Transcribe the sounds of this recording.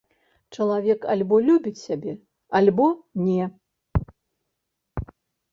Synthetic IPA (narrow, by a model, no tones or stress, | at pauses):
t͡ʂɐlˠavʲɛka̰lʲbɔlʲubʲit͡sʲsʲabʲɛ | alʲbɔnʲɛ